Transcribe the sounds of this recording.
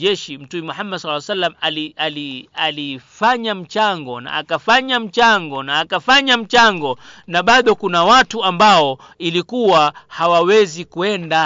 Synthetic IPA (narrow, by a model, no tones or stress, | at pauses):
ɛʃim̩tumɛmuħamːadslːsalːamalialialifaɲam̩t͡ʃaŋɡɔna̰a̰kafaɲam̩t͡ʃaŋɡɔnaːkafaɲam̩t͡ʃaŋɡɔnaɓaɗɔkunawatuambaɔ | ilikuwahawawɛzikuɛnda